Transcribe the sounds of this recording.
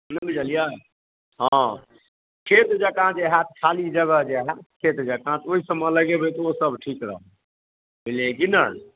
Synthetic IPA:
nəbid͡ʒəlija | ɦã | kʰet̪d͡ʒəkãd͡ʒeɦãt̪kʰalid͡ʒəɡəɦd͡ʒeɦakʰet̪d͡ʒəkãt̪oisəmːə̃ləɡebet̪osəbʈʰikɾə̰ɦõ | beleɡinə̰ɽ

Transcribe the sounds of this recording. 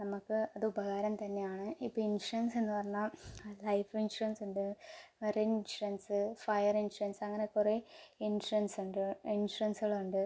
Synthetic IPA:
nɐmukːɨɐðɨubɐɣaːɾɐmt̪ɐnːe̞jaːɳɨipːoinʂurɐnse̞nːɨpɐrɐɲːɐlɐjfinʂurɐnsuɳɖɨɐɾeinɕurɐnsɨfɐjɐrinʂurɐnsɐŋːɐnekːureinʂurɐnsuɳɖɨinʂurɐnsɨɣɐɭuɳɖɨ

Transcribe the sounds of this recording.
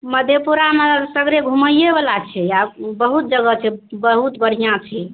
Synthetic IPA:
məd̪ʱjepuɾamesəɡɾeɡʱuməjebalat͡ʃʰɛjabəɦut̪̚d͡ʒəɡət͡ʃʰɛbəɦut̪bʱəɽ̤ijãt͡ʃʰɛ

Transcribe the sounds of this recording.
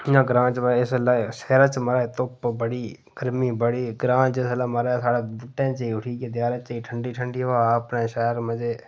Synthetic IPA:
jãːɡɾãːt͡ʃməɪslaːʃɛːɾaːt͡ʃməɾaːt̪ʊpbəɽiː | ɡ̥əɾmiːbəɽiːɡɾãːt͡ʃɪsəlaːməɾaːsaːɽaːbʊʈːẽːt͡ʃiːʊʈʰiːkeːd̪jaːɾãːt͡ʃiːʈʰəɳɖiːʈʰəɳɖiːʋaːəpnẽːʃɛːɾməd͡ʒeː

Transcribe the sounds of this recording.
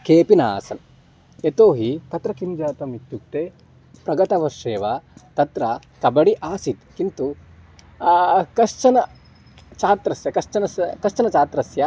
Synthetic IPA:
keːpinaːsɐn | et̪oːɦit̪ɐt̪ɾɐkimd͡ʒaːt̪ɐmit̪juk̚t̪e | pɾɐɡɐt̪ɐʋɐʃeːʋat̪ɐt̪ɾɐ | kɐbɐɽiʔaːsit̪kint̪u | kɐʃt͡ʃɐnɐ | t͡ʃaːt̪ɾɐsjɐkɐʂt͡ʃɐnɐskɐʂt͡ʃɐnɐt͡ʃaːt̪ɾɐsjɐ

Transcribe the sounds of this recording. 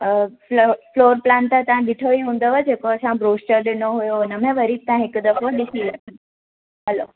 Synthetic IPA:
floːɾplãnt̪ət̪ɐʋãɗɪʈʰoʋiɦũːn̆d̪oʋad͡ʑeːkoɐsãbɾoːsʈəɾɗɪnoɦujoʊnəmẽʋɐɾit̪ãɦɪkd̪ɐfəɗɪsiʋɐ | ɦɐlo

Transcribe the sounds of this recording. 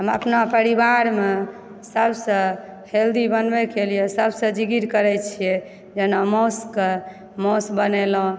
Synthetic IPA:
ɦəmə̰pnapəɾibaɾme | səbsə̃held̪ibənbɛkelijesəbsə̃d͡ʒiɡiɾkəɾɛt͡ʃʰije | d͡ʒenamoske | mosbənelõ

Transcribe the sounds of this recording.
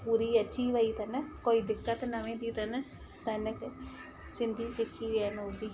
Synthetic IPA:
puːɾiːət͡ʃiːʋaiːt̪ɐnəkoːid̪ɪkːət̪nɐʋẽːd̪iːt̪ən | t̪ɐnək | sɪnd̪ʱiːsɪkʰːiːɛːnʊd̪iː

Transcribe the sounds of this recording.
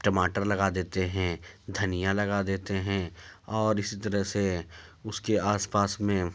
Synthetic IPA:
ʈəmaːʈəɾlɐɡad̪eːt̪eɦɛ̃d̪ʱɐnijalɐɡad̪eːt̪eɦɛ̃ɔːɾɪsit̪ɐɾəɦseʊskeaːspaːsmẽ

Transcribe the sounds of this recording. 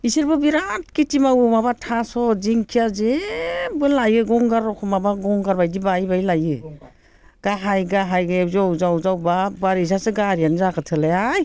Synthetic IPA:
iseɾbɯbiɾatkitimawɯmabatʰasɔziŋkʰijazebɯlajɯɡɔŋɡaɾɔkʰɯmabaɡɔŋɡaɾbajdibajbajlajɯ | ɡ̥aɦajɡaɦajɡezɔwzawzawbabaɾizasɯɡaɾijanzakɯtʰɯleaj

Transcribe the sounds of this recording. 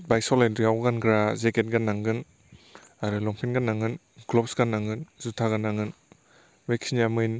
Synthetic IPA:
bajsɔlendɾiawɡanɡɾazeket̚ɡanːaŋɡɯn | aɾɯlɔŋpʰinɡanːaŋɯn | ɡlɔpsɡanaŋɯnzutʰaɡanaŋɯn | beksinjamɯjn

